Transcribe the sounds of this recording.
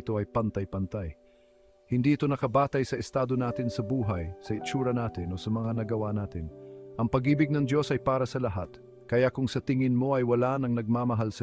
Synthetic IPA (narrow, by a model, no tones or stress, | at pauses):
t̪o̞ʔɐjpɐnt̪ajpɐnt̪aj | hɪnd̪iːʔɪt̪o̞nɐkɐbaːt̪ɐjsɐʔɪst̪aːd̪o̞naːt̪ɪnsɐbuːɦɐjsɐɪt͡ʃuːɾɐnaːt̪ɪno̞sɐmɐŋanɐɡɐwanaːt̪ɪnʔɐŋpɐɡiːbɪɡ̚nɐŋd̪jo̞sɐjpaːɾɐsɐlɐɦat̪ | kɐjakʊŋsɐt̪ɪŋɪnmo̞ʔɐjwɐlanɐŋnɐɡ̚maːmɐɦalsɐ